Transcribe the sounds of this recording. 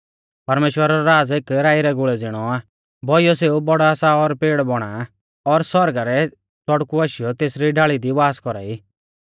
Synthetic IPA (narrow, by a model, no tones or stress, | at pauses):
pɐɾmeːʃwəɾaɾɔɾaːd͡zekɾaːiɾɛɡʊɭɛd͡zɪɽ̃ɔaː | bʱɔijɔseːubɔɽaasaɔɾpeːɽbɔɽ̃a | ɔɾsɔɾɡaɾɛ | t͡sɔɽkuaːʃɪjɔt̪eːsɾiɖaːɭid̪iʋaːskɔɾa̰ːiː